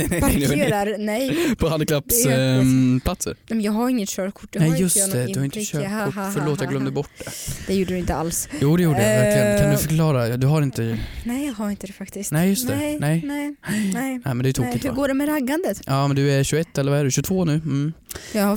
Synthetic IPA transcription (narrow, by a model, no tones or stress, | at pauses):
ɾaɾnɛjpʰɔhand̪klapːs | pʰlat̪sə̰ɾnɛmnjɑːɡɦaɾɪŋːət̪ʃøːɾkʰʊ̥ʈ̪ːɛjjɵstt̪ʰɛd̪ɵhaɾɪnt̪əʃøːɾkʰʊːfœɭoːt̪jɑɡlœmːd̪əbɔʈːd̪ɛd̪̥ɛjuːɖəd̪ɪnt̪əa̰lsjuːd̪ɛjuːɖəæɾlɪjənkʰand̪ʉfœɾkʰlɑːɾad̪ɵɦaɾɪnt̪ənɛhaɾɪnt̪əd̪ɛfakt̪ɪsnɛjɵst̪ʰɛnɛjnɛɛɛ̰mɛnd̪ɛːjʏt̪uːkɪt̪hʉɾɡoːɖɛmɛɾaɡːand̪ət̪ʔɑːmɛnd̪ɵæɾɕʉɡɛt̪ːɛlːɾvaɛɖʉɕʉt̪ʰvoːnʉ̟ːm̩jɑ